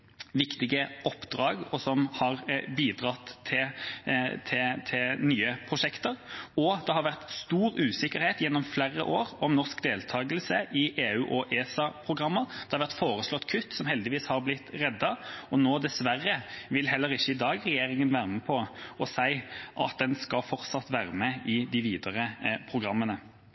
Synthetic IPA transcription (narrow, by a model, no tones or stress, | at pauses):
ʋɪkt̪ɪɡəʔɔpːd̪ɾɑːɡɔsɔmhɑʁbiːd̪ɾɑt̪ʰːɪ | t̪ʰɪt̪ʰɪlnyːəpʰʁʊʂɛkt̪əʁɔd̪̥ɛhɑɾʋæʁt̪st̪uːɾʉːsɪkːəɾheːt̪jɛnːɔmflærə̰ʔoːʁɔmnɔʁskd̪eːlt̪ʰɑːɡəlsəʔɪʔeːʉːʔɔʔeːsɑpʰʁʊɡʁɑmːəɾd̪ɛhɑʋæʁt̪foːɾəslɔt̪ːkʰʉt̪ːsɔmhɛld̪ɪʋiːshɑɾblɪt̪ːʁɛd̪ːɑɔnoːd̪ɛsʋærəʋɪlɦɛlːəɾɪçːəɪd̪ɑːɡʁɛjeːɾɪŋənʋæːʁməpʰɔɔsæɪʔɑ̰t̪̚d̪ɛnskɑlfɔʁt̪sɑt̪ʋæːʁəmɛɪd̪ɪʋiːd̪əʁəpʰʁʊɡʁɑmːənə